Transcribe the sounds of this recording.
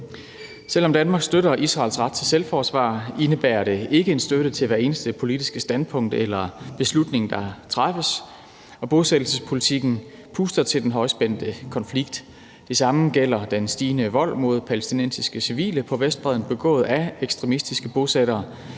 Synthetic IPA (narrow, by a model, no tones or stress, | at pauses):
sel̰ɒ̽md̥ænmɑ̈ːɡ̥sd̥øɾɐʔisʁɑ̈ːlsʁɑ̈d̥̚t͡sʰe̝selfɒːsʋɑ̰̈ːe̝nəb̥æːɐɾ̥e̝ʔe̝ɡ̥əe̝nsd̥øɾət͡sʰe̝lʋæɐe̝ːnəsd̥əpʰo̝lid̥isɡ̥əsd̥ænpʰɔ̽ŋ̰d̥elɐb̥e̝slud̥ne̝ŋn̩d̥ɑ̈t͡sʰʁɑfəs | ɒ̽b̥o̝sed̥l̩səspʰo̝lit͡sʰiɡ̥n̩ | pʰuːsd̥ɐt͡sʰe̝ld̥enɦɒ̽ɪsb̥en̰d̥əkʰɒ̽nfliɡ̥̚d̥ | d̥e̝sɑ̈məɡ̥el̰ɐd̥ensd̥iːnəʋɒ̽l̰mo̝ð̞̰ˠpʰælesd̥inen̰sisɡ̥əsiʋḭːləpʰɒ̽ʋesd̥b̥ʁɛðˠn̩b̥e̝ɡ̥ɔ̰̽ːð̞̩ˠæeɡ̥sd̥ʁɛmisd̥isɡ̥əb̥o̝seɾɐː